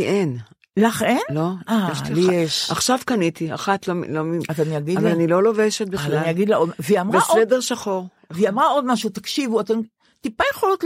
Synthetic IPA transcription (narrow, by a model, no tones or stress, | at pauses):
ien | laχenlo̞aeʃlieʃaχʃavkɐnit̪ia̰χat̪lomlomiaaniaɡidavalanilo̞loveʃet̪̚bilaliaɡidlaoveiamʁbeaʔedeʁʃaχoʁ | veamʁao̞d̪maʃut̪akʃivuat̪em | t̪ipajeχolot̪